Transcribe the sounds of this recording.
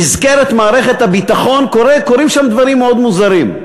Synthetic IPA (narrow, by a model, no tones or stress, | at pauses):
izkeɾet̪maːɾeχe̞t̪habit̪aχo̞nkoɾekoɾimʃamd̪vaɾimːeod̪muzaɾim